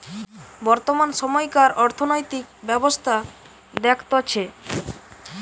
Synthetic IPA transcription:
bɔɾt̪omanʃɔmɔjkaɾɔɾt̪ʰonojt̪ik̚bɛbost̪ʰa | d̪ɛkʰt̪ot͡ɕʰe

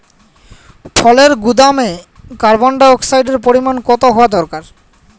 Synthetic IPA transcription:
fʰɔleɾɡud̪ame | kaɾbɔɳɖaɔksajɖeɾpoɾimankɔt̪oɦɔad̪ɔɾkaɾ

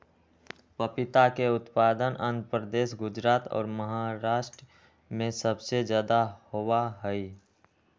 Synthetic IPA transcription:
pəpɪt̪akeʊt̪paːd̪ənʔə̃nd̪pɾəd̪eːʃɡʊd͡ʒɾaːt̪ɔ̰ːɾməɦaɾaːʃʈɾ | mẽsəbsed͡ʒjaːd̪ahowaɦɛi

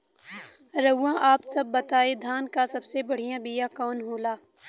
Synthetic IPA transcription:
ɾɐʊːãʔaːpsɐbːɐt̪aːed̪ʱaːnkasɐbsebɐɽ̤ijãbijãkɔːnɦoːlaː

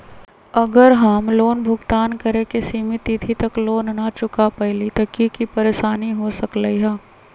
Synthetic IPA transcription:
ɐɡəɾɦɐmloːnbʱʊɡt̪aːnkɐɾẽkesiːmɪt̪it̪ʰit̪ɐkloːnːat͡ʃʊkapɛɦlit̪ɐkikipɐɾeːʃaːniɦosɐkləiɦɛː

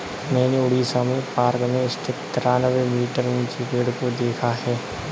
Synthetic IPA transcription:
mɛ̃ːneʊɽiːsamẽpaːɾkmẽɪst̪ʰɪt̪t̪ɾaːnəʋemiːʈəɾũːt͡ʃiɡeːɽkod̪eːkʰaɦɛː

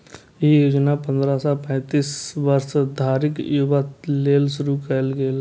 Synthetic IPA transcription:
ijuːd͡ʒnapə̃nd̪ɾasãpɛ̃ːt̪iːsʋəɾsd̪ʱaːɾɪkjuʋat̪leːlʃʊɾukɛlɡeːl

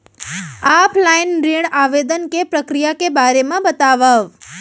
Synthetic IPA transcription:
apʰlainɾiɳaʋed̪ənkepɾəkɾijakebaɾemãbət̪aʋaʋ

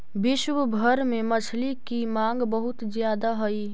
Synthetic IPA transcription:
bɪʃwbʱəɾmẽmɐt͡ʃʰlikimãːŋɡbəɦʊt̪zjaːd̪aɦɐiː

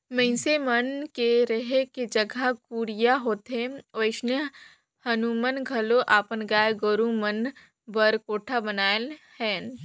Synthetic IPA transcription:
mɐ̃ɪ̃semɐnkeɾɐɦeked͡ʒɐɡʱakuːɾjaɦoːt̪ɦẽoɪsnə | hɐnumənɡʱɐloʔaːpənɡaːjeɡoɾũmən | bəɾkoːʈʰabənaːelhɛ̃ːn

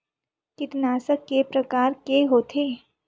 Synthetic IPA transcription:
kɪt̪naːsəkːepɾəkaːɾkeɦoːt̪ʰe

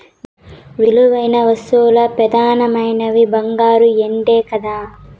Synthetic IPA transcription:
ʋiluʋɐjnɐʋɐst̪ulɐpɾɐd̪aːnɐmɐjnɐʋibɐŋɡaːɾueɳɖeːkɐd̪aː

